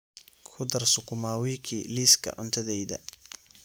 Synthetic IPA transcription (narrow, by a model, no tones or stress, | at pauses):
kʰʊd̪ɐrsʊkʰʊmaːwiːkʰiːliːskʰɐ̰ʕʊnt̪ʰɐðɛjðɐ̰